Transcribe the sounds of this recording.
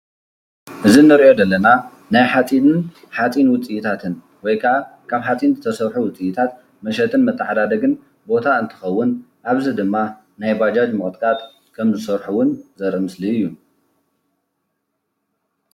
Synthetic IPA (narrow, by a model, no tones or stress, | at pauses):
ʔɨzinːɨɾiʔo̞d̪ɐlːɐna | najħat͡sʼinɨn | ħat͡sʼinwʊt͡sʼiʔit̪ʰat̪ʰɨn | wɔjkʰaʔa | kʰaβħat͡sʼinzɨt̪ʰɐsɐɾħuwʊt͡sʼijt̪ʰat̪̚ | mɐʃɐt̪ʰɨnmɐt̪ʰːɐħad̪ad̪ɐɡɨn | bo̞t̪ʰaɨnt̪ʰɨ̥xɐwːʊn | ʔaβzid̪ɨmːa | najbad͡ʒad͡ʒmɨkʼt̪ʼkʼat̪ | kʰɐmzɨsɐɾħuwʊnzɐɾɐmɨsliɨjːu